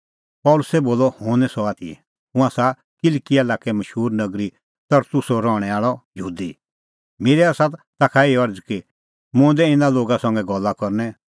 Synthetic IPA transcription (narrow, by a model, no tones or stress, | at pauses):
pɔlʊsɛboːlɔhõːnɛsɔaːt̪ʰiɛ | ʊ̃ãsa | kɪlkiɛlaːkɛmɐʃɦuːɾnɐɡɾi | t̪ɐɾt̪ʊsɔɾɔːɽ̃ɛaːɭɔjəɦuːd̪i | meːɾɛasat̪t̪aːkʰaeːɔɾd͡zki | mʊ̃ːd̪ɛɪ̃naloːɡasɔ̃ŋɡɛɡɔlːakɔɾnɛ